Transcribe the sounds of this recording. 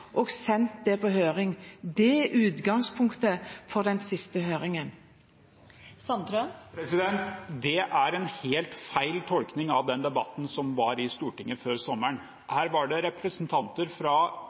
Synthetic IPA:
ʔoːɡsɛnt̪̚d̪ɛpoːhøːɾɪŋd̪ɛʉːd̪ɡɑŋspʰʊŋkt̪əfɔʁd̪ɛnsɪst̪əɦøːɾɪŋən | sɑnt̪ɾəpɾɛsɪd̪ɛnt̪d̪ɛʔæɾɛnheːlt̪fæɪlt̪ʰɔlknɪŋɑʋd̪ɛnd̪ɛbɑt̪n̩sɔmʋɑɾɪst̪uːʈɪŋːəføːɾsɔmːəɳ | hæːɾʋɑɖɛɾɛpɾɛsnt̪ʰɑnt̪əɾfɾɑ

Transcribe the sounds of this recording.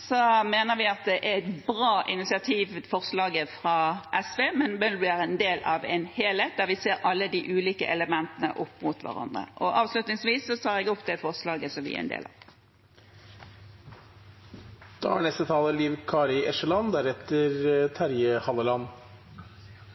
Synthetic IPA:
sɔmeːnəʁʋɪɑt̪̚d̪ɛʔæɛt̪bʁɑːʔɪnɪsɪɑt̪ʰiːʋfɔʁslɑːɡəfʁɑʔɛsʋeːmɛnbɛnd̪ʉæʁɛnd̪eːlɑʋɛnheːleːt̪̚d̪æʁʋɪseːɾɑlːəd̪iːʔʉːliːkə̰ʔɛləmɛnt̪ənə̰ʔɔpːmʊt̪ʋæ̰ʁɑ̰nd̪ʁə̰ʔɔʔɑːʋslʉt̪nɪŋsʋiːsːɔt̪ʰɑːʁɛːɡɔpd̪ɛfɔʁslɑːɡəsɔmʋɪ̰æ̰ɛ̰nd̪ḛːlɑ̰ | d̪̥ɑ̰ːæ̰ɳɛst̪ət̪ʰɑːləliːʋkʰɑːɾɪʔɛʂəlɑnd̪æɾɛt̪ːəɾt̪ʰæɾjəhɑlːəlɑn

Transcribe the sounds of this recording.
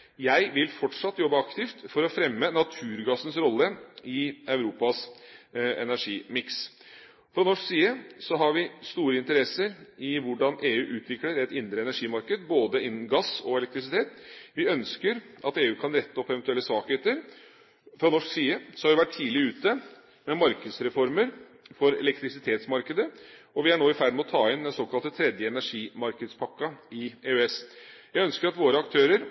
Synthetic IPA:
jæɪʋɪlfɔʈʂɑt̪ːjɔbːəɑkt̪ɪft̪fɔɾɔfɾɛmːənɑt̪ʰʉːɾɡɑsən̩sɾɔlːəɪɑʉɾuːpɑs | ɛ̰næʂiːmɪks | fɾɑnɔʂksiːəsɔɦɑɾʋɪst̪uːɾəɪnt̪əɾɛsəɾɪʋʊɖɑnʔeːʉːʔʉːt̪ʰʋɪkləɾɛt̪ɪnd̪ɾəɛnæʂiːmɑɾkəd̪boːd̪əɪnːm̩ɡɑsɔɛlɛk̚t̪ɾɪs̬ɪt̪ʰeːt̪ʋɪœnskəɾʔɑt̪eːʉːkʰɑnɾɛt̪ːəɔpːɛʋɛnt̪ʉɛlːəsʋɑːkheːt̪əɾ | fɾɑnɔʂksiːəsɔhɑɾʋɪʋæʈʰːiːlɪʉːt̪ə | mɛmɑɾkəd̪sɾɛfɔɾməɾ | fɔɾɛ̰lɛkt̪ɾɪsɪt̪ʰeːt̪smɑɾkəd̪ə | ɔʋɪæɳoːɪfæɾɖmɛɔt̪ʰɑːɪnd̪ɛsoːkʰɑlt̪ət̪ʰɾɛd̪jəɛnæʂiːmɑɾkəd̪spʰɑkːɑɪeːøɛsjæɡœnskəɾɑt̪ʋoːɾəɑk̚t̪ʰøːɾəɾ

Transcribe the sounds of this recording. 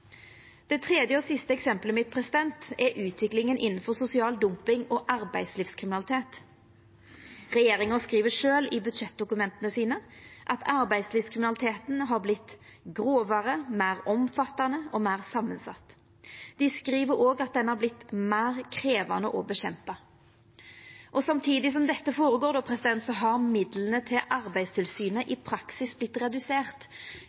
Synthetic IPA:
d̪̥ɛt̪ʰʁeːd̪jəoːsɪst̪əɛksɛmpləmɪt̪̚pʰʁɛsɪd̪ɛnt̪ɛɾʔʉːt̪ʰʋɪklɪŋənʔɪnːn̩fɔʁsʊsɪɑːld̪ʊmpɪŋɔʔɑʁbæɪd̪sliːfskʰʁɪmɪnɑlɪt̪ʰeːt̪ | ʁɛjeːʁɪŋənskʁiːʋəʂøːlibʉt̪ɕɛt̪̚d̪ʊkʉmɛnt̪ənəsiːnəʔɑt̪ʰɑɾbæɪd̪sliːfskʰʁɪmɪnɑlɪt̪ʰeːt̪nɦɑːɾblɪt̪ːɡʁoːʋɑʁəmæɪʁɔmfɑt̪ːɑnəɔmæɪʁsɑmːənsɑ̰t̪ː | d̪̥ɪskɾiːʋəɾoːɡɑt̪̚d̪ɛnːəhɑɾblɪt̪mæːʁkʰɾeːʋɑ̰nəʔɔbɛɕɛmpɑ | ʔɔsɑmt̪ʰiːd̪ɪs̬ɔmd̪ɛt̪ːəfoːɾəɡoːɾd̪ɔːpʰɾɛsɪd̪ɛnt̪sɔɦɑɾmɪd̪lənət̪ʰɪlʔɑʁbæɪst̪ʰɪlsyːnəʔɪpʰɾɑksɪsblɪt̪ːʁɛd̪ʉseːʁt̪

